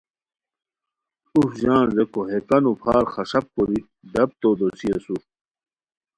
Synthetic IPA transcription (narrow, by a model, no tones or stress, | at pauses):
ufʑaːnzekoɦekɐnupʰaːɾxɐʂɐp̚koɾi | d̪ɐb̚t̪od̪osiɐsuɾ